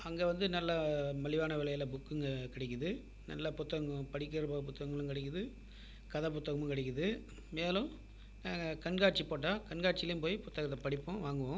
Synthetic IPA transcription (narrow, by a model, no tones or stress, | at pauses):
ɐŋɡeːʋɐnd̪ɯnɐlːɐmɐɭɪʋaːnɐʋɛlɐjɐlɐbʊkːɯŋɡɐkɪɽɛkːɯðɯ | nɐ̰lːɐpʊt̪ːɐɣɐŋɡɐpɐɽɪk̬ːɐɾɯbɐp̬ʊt̪ːɐɣɐŋɡɐɭɯ̃ŋkɐɽɛk̬ːɐðɯ | kɐðɐp̬ʊt̪ːɐɣɐmɯ̃ŋkɐɽɛkːɐðɯ | meːlʊ̃ | naːŋɡɐkɐɳɡaːʈ̚t͡ʃipoːʈ̬ːaːkɐɳɡaːʈ̚t͡ʃɪɪlɐjʊmpoːjipʊt̪ːɐɣɐt̪ːɐpɐɽɪpːʊ̃ʋaːŋɡɯʋõ